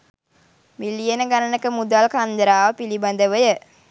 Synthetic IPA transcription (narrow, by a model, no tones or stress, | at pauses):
milijənəɡanənəkəmud̪alkand̪ɾaːʋəpiliband̪əʋəjə